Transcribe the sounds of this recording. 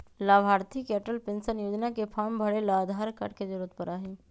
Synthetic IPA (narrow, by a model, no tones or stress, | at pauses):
laʋʱaɾt̪ʰikɛʈəlpensənjod͡ʒnakepʰambʱəɽelaːd̪ʱaɾka̰ɽked͡ʒiɾət̪pəɾaɦe